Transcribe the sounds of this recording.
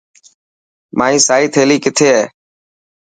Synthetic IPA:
maːĩːsaːɦiːt̪ʰeːliːkɪt̪ʰeːɦeː

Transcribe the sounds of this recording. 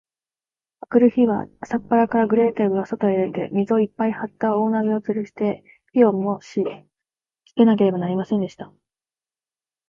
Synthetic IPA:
akɯ̟ɾɯ̟çiβa̰sapːaɾakaɾaɡɯ̟ɾe̞ːt̪eɡɯ̟ɡasot̪oeɾad̪e̞̰mʲizɨo̞ipːaihat̪ːao̞ːnaɡiot͡sɨɾɯ̟ɕi̥t̪e̞ | pʲio̞moɕi | ki̥ke̞nake̞ɾe̞banaɾʲimasẽnd̪e̞ɕi̥t̪a

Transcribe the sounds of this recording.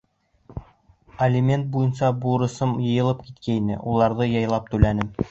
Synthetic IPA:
ɐlʲɪmʲe̞nt̪̚bujɤnsɑbuɾɤ̆sɤmjɤ̆jɤ̆lˠɤpkit̪kæinɘ̰ʔulˠɑɾðɤjɑjlˠɑp̚t̪ʉlænɘm

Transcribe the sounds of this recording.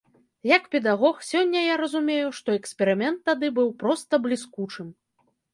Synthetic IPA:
jɐkpʲɛd̪aɣɔxsʲɔnʲːɐjaɾɐzumʲejuʂt̪ɔɛksʲpʲɛɾɨmʲɛnt̪ːad̪ɨbɨwpɾɔst̪ɐblʲiskut͡ʂɨm

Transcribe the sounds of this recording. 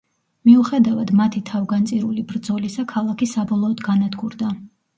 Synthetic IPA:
miuχɛd̪avad̪mat̪ʰit̪ʰavɡant̪sʼiɾulibɾd̪zɔlisakʰalˠakʰisabɔlˠɔːd̪ɡanad̪ɡuɾd̪a

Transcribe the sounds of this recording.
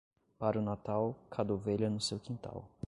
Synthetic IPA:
paɾʊnat̪awkʰad̪oveʎɐnʊsewkĩnt̪a̰w

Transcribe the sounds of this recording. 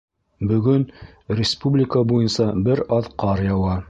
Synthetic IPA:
bɵ̆ɡɵn | rʲɪspublʲɪkəbujɤ̆nsɑbɘɾɑðqɑɾjɑwɑ

